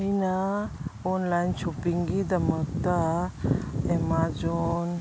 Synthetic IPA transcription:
inə | ɔnlajnt͡ɕupiŋɡid̪əmət̪a | emad͡zon

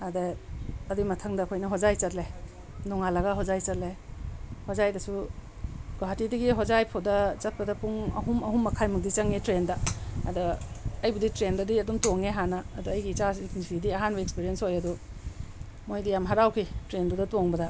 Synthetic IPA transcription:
adeɐdimɐtʰɐŋdɐːkʰojnɐɦozajt͡ʃɐtle | nɔŋalɐɡɐɦozajt͡ʃɐt̚le | hozajdɐsu | ɡoɦatidiɡiɦozajpʰodɐt͡ʃɐt̚pɐdɐpuŋɐ̰ɦumɐɦumːɐkʰajmɐk̚dit͡ʃɐŋitɾendɐɐdɐɐjbuditɾendɐdiɐdumtoŋeɦanɐːduɐjɡiːt͡ʃasiknisidiɐɦanbɐekspiɾiensojɐdu | mojdijamɦaɾawkʰitɾendudɐtoŋbɐdɐ

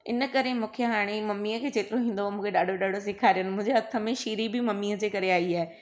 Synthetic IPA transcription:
ɪ̰nəkɐɾemũːkʰeɦaːɽ̃emɐmːiːəkʰeːt͡ɕeːt̪ɪɾoɦĩːnd̪omũːkʰeɗaːɖʱoɗaːɖʱos̬ɪkʰaːɾijənɪ̆mʊ̃ɦɪ̃ɲd͡ʑeɦɐt̪ʰə̆mẽʃiːɾibɪmɐmːiːəd͡ʑeːkɐɾeaːiaːe

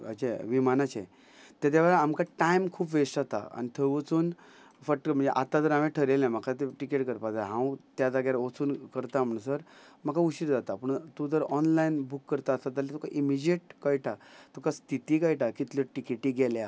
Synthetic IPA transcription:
ət͡ɕeʋimanat͡ɕe | t̪at̪jaʋəɭaamkaʈaimkʰuːpʋesʈat̪a̰a̰nit̪ʰəʋət͡suːn | fək̚ʈəkm̤əɳd͡zeʔat̪ːad͡zəɾameʈʰəɾelãm̤akʰat̪eʈikeʈkəɾpad͡zaɦãwt̪jad͡zaɡaɾʋot͡suːnkəɾt̪am̤əɳ̃səɾmakauɕiɾd͡zat̪apəɳt̪ud͡z̪əɾɔnlainbukːəɾt̪aːst̪at̪alat̪ɔkaʔimid͡ʑeʈ̚kajʈʰat̪ʰokʰast̪ʰit̪iːkajʈakit̪ləʈikeʈiɡɛlja

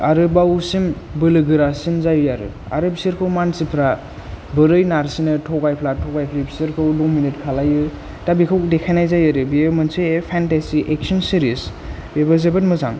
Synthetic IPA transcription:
aɾɯbawsimbɯlɯɡɯɾasinzajɯaɾɯ̰ | a̰ɾɯbisiɾkʰɯwmansipʰɾa | bɯɾɯjnaɾsinɯtʰɔɡajpʰlatʰɔɡajpʰlibisiɾkʰɯwdominitkʰalajɯ | tabikʰɯwkdekʰajnajzajaɾɯbiemɯnseepʰantesiʔek̚sɔnsiɾis | bebazebɯtmɯzaŋ

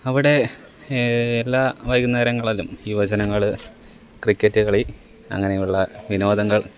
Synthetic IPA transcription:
ɐʋiɽe̞ | lːaːʋɐjɣunːeːɾɐŋːɐɭilumiːʋɐt͡ɕɐnɐŋːɐɭ | krikʲːɐtːuɣɐɭi | ɐ̰ŋːɐnejuɭːɐʋino̞ːd̪ɐŋːɐɭ

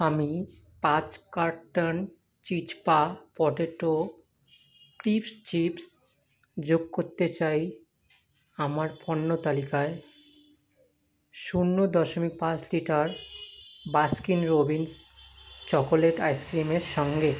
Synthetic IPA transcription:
ami | pãt͡ɕkaɾʈan | t͡ɕit͡ɕpapɔʈeʈːo | kɾifst͡ɕips | d͡ʑoɡkoɾt̪et͡ɕaj | amaɾpɔnːot̪alikae | ʃunːod̪ɔʃomik̚pãt͡ɕliʈaɾ | baskinɾobinst͡ɕɔkoleʈajskɾimeɾʃɔŋɡe

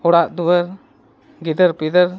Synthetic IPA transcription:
ɔɽaʔd̪ubəɾ | ɡid̪əɾpid̪əɾ

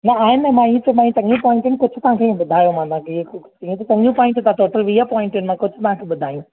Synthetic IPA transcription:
nɐaːɪnɛ̃mãːĩẽt̪ɐmãːĩt͡ɕɐ̃ŋũpɔːɪ̃ɳʈɪnɪkʊd͡ʑʱʊt̪ɐɦãkʰẽɓʊd̪ʱaːjõmãːt̪ãːke | iẽt̪ɐt͡ɕɐ̃ŋũpɔːɪ̃ɳʈt̪ãʈɔːʈəlʋiapɔːɪ̃ɳʈɪnɪmãkʊd͡ʑʱʊ̆t̪ɐɦãkʰeːɓʊd̪ʱaːjũ

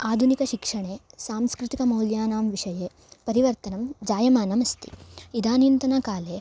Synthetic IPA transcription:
aːd̪ʱunikɐʃikʂɐɳeːsaːmskɾut̪ikɐmɐuljaːnaːmʋiʂɐjeː | pɐɾiʋɐɾt̪ɐnɐmd͡ʒaːjɐmaːnɐmɐst̪ḭid̪aːnint̪ɐnɐkaːleː

